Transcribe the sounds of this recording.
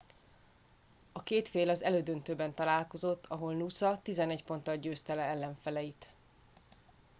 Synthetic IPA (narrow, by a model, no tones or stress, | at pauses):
ɒkeːt̪feːlɒzɛløːd̪ønt̪øːbɛnt̪ɒlaːlko̞zo̞t̪ːɒɦo̞lnusɒt̪izɛnɛɟpo̞nt̪ɒlɟøːst̪ɛlɛɛlːɛɱfɛlɛjit̪